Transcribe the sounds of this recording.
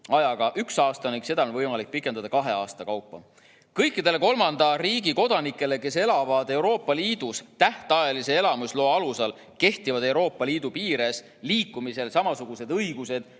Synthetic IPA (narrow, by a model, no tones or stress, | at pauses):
ɑjɑɡ̥ɑʔyksɑːst̪ɑniɡ̥se̞d̪̥ɑonvɤjmɑlik̚pikːˑend̪ɑd̪ɑkɑɦe̞ɑːst̪ɑkɑwpːɑ | kɤjkːid̪e̞le̞ko̞lmɑnd̪̥ɑriːɡiko̞d̪ɑnikːˑe̞le̞ke̞se̞lɑvɑd̪e̞wɾo̞ːpːˑɑliːd̪̥ust̪æht̪eɑjɑlise̞e̞lɑmusloːɑlusɑl | ke̞ht̪ivɑd̪e̞wɾo̞ːpːˑɑliːd̪̥upiːɾe̞s | liːkˑːumise̞lsɑmɑsuɡ̥use̞d̪ɤjɡ̥use̞d̪̥